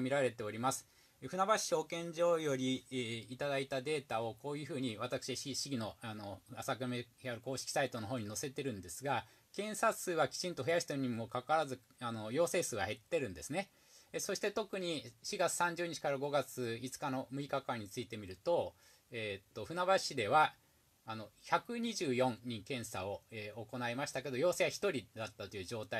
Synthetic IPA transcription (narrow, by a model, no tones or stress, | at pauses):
mʲiɾaɾe̞t̪e̞o̞ɾʲimasɨ̥ | ɸɯ̟nabaɕi̥o̞kẽ̞ɲ̟d͡ʑo̞ːjo̞ɾʲiːt̪ad̪ait̪ad̪e̞ːt̪ao̞ko̞ːjɯ̟ːɸɯ̟ːɲ̟iβat̪akɯ̥ɕiɕiiɕiɡʲino̞ano̞asakɯmeçaɾɯ̟ko̞ːɕi̥kʲi̥sait̪o̞no̞ɦo̞ːɲ̟ino̞se̞t̪e̞ɾɯ̟̃nd̪e̞sɨɡa | kẽ̞ɰ̃sasɨːβakʲi̥t͡ɕĩnt̪o̞ɸɯ̟jaɕi̥t̪oɲ̟imo̞kakaaɾazɨ | ano̞jo̞ːse̞ːsɨːɡa̰he̞t̪ːe̞ɾɯ̟̃nd̪e̞sɨne̞ | so̞ɕi̥t̪e̞t̪o̞kɯ̟ɲ̟iɕiɡat͡sɨ̥sãɲ̟d͡ʑɨːɲ̟it͡ɕi̥kaɾaɡo̞ɡat͡sɨit͡sɨ̥kano̞mɯ̟ikakaɲ̟ːit͡sɨit̪e̞mʲiɾɯ̟t̪o̞ | eːt̪ːo̞ɸɯ̟naβaɕid̪e̞βaː | no̞çakɯ̟ɲ̟iʑɨːjõ̞ŋɲikẽ̞ɰ̃sao̞eoko̞naemaɕi̥t̪ake̞d̪ojo̞ːse̞βaçi̥t̪o̞ɾʲid̪at̪ːat̪o̞jɯ̟ːʑo̞ːt̪ai